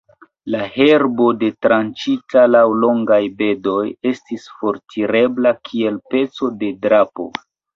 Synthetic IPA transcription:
lahe̞ɾbo̞de̞tɾant͡ʃitalawlo̞ŋɡajbe̞do̞je̞stisfo̞ɾtʰiɾe̞blakʰie̞lpe̞t͡so̞de̞dɾapo̞̰

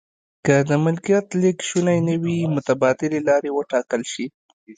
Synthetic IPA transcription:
kəd̪əmɪlkijɑt̪lɪkʃunajnəwimʊt̪abɑd̪ɪlelɑɾewəʈɑkəlʃi

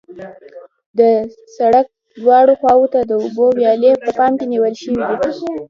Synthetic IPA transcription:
d̪əsaɽak̚ | lwɑɽoxwɑwot̪ad̪əʊbowjɑlepəpɑmkeniwəlʃəwid̪i

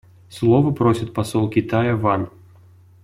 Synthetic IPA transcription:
slˠɔvɐpɾɔsʲɐt̪̚ʲpasɔlˠkʲit̪ajɐvan

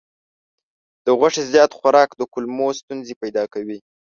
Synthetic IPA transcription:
d̪̥əɣwaʂezjɑt̪xwaɾɑkd̪əkʊlmost̪unzepajd̪ɑkawi

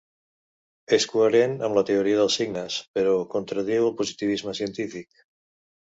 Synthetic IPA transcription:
eskueɾenamlat̪eoɾiaðəlˠsiɡnaspeɾokont̪ɾaðiwalˠpozit̪iβ̞izmasjent̪ifik

